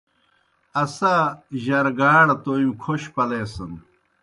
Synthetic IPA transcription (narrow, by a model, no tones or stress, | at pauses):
ɐsaʑɐɾɡaːɽɐt̪oimkʰoɕpɐleːsɐn